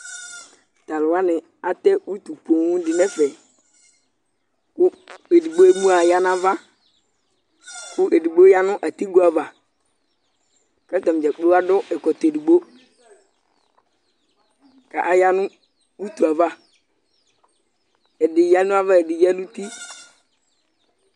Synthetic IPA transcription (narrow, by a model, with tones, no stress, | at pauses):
t̪a˨lʊ˨wa˦nɪ˨ | a˨t̪ɛ˦wu˦t̪u˨po˨ŋ̃˦dɪ˨nɛ˦fɛ˨ | kʊ˦e˨di˨ɡ͡bo˦e˦mu˦a˨ja˦n˦ã˦va˦ | kʊ˦ʔe˨di˨ɡ͡bo˦ja˦nʊ̃˦ʔa˨t̪i˦ɡo˦a˨va˨ | kɛ˦t̪ɔ˨m˨d͡ʒɛ˨k͡pe˦wa˦dʊ˦ʔɛ˨kɔ˨t̪e˨di˨ɡ͡bo˦ | ka˨ʔa˨ja˦nʊ̃˦ | u˦t̪u˨a˨va˦ | ɛ˨dɪ˨ja˦nʊ̃˦a˦va˦e˨dɪ˨jɛ˦nũ˦t̪i˦